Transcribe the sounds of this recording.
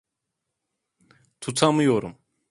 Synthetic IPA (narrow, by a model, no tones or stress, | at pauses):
t̪ʰut̪ʰamɯjoɾṵm